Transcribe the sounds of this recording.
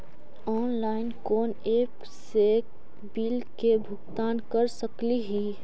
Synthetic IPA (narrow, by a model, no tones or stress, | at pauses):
ɔːnlaːɪnkɔːneːp | se | bilkebʱʊkt̪aːnkəɾsəkliɦi